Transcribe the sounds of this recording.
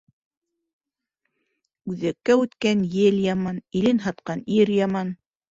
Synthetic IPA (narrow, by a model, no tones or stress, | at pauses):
ʉðɘkːæʉt̪kænjɘljɑmɑnilɘnɦɑt̪̚qɑniɾjɑmɑn